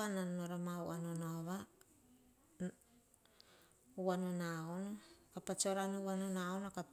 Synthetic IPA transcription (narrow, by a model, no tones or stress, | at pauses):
ananoɾamauʔanonoβa | uwanonaonkapat͡ʃoɾanuβanonaonaka